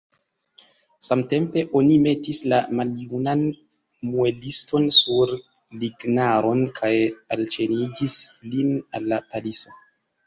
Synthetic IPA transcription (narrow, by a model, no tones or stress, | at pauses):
samte̞mpe̞ʔo̞nime̞tislamaliunan | mue̞listo̞nsuɾ | liɡnaɾo̞nkʰajalt͡ʃe̞nid͡ʒislinalːapaliso̞